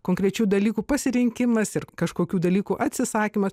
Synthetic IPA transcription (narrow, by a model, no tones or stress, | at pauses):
koːŋʲkɾʲɛt͡ʃʲuːd̪ɐlʲiːkuːpɐsʲɪɾʲɪŋʲkʲɪmɐsɪrkɐʃkoːkʲuːd̪ɐlʲiːkuːʔɐt̪ʲsʲɪsɑːkʲiːmɐs